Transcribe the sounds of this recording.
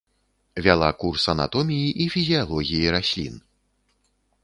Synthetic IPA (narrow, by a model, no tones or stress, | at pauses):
vʲalˠakursɐna̰t̪ɔmʲijiʔifʲizʲijalˠɔɣʲijiɾasʲlʲḭn